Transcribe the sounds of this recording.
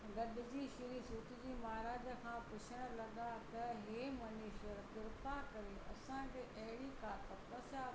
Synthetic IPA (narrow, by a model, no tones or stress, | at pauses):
ɡɐd̪ɪd͡ʑiːʃɪɾisʊːt̪ɪd͡ʑiːmaːɾaːd͡ʑəkʰãːpʊt͡ɕʰəɽ̃əlɐɡat̪ɐɦeːmɐniːʃəɾt̪ɪɾpakɐɾeɐsãkʰeʔɐɦɪɽikaːt̪ʰɐpɐsaː